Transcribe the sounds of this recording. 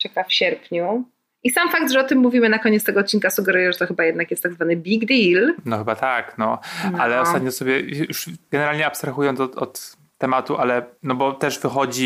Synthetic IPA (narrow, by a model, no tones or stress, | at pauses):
t͡ʂɛkafɕɛɾpɲu | ʔisamfak̚d̪ʐɛɔt̪ɘmːuvʲimɘnakɔɲɛt̪st̪ɛɡɔːt̪̚t͡ɕːinkasuɡɛɾujɛʐɛt̪ɔxɘbajɛd̪nakjɛst̪ːaɡzvanɘbʲiɡd̪ilnɔxɘbat̪aknɔnalɛɔst̪at̪̚ɲɔsɔbʲjɛjuʂɡɛnɛɾalɲɛapst̪ɾaxujɔnsɔt̪ɔ̰t̪ː | ɛmat̪uʔalɛnɔbɔt̪ɛʂvɘxɔd͡ʑi